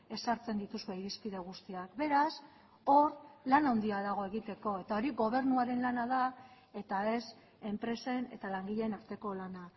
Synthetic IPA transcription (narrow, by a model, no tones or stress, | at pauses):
e̞saɾt͡se̞nd̪it̪usueiɾispið̞e̞ɣ̞ust̪iakbe̞ɾas | o̞ɾlanawnd̪iaðaɣ̞o̞e̞ɣ̞it̪e̞ko̞e̞t̪ao̞ɾiɣo̞β̞e̞ɾnuaɾe̞nlanaða | e̞t̪ae̞s | e̞mpɾe̞se̞ne̞̰t̪alaŋɡiʎe̞naɾt̪e̞ko̞lana